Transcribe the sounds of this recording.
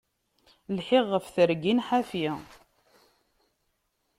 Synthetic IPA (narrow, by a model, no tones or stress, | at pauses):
lħɪʁːəfθəɾɡinħafi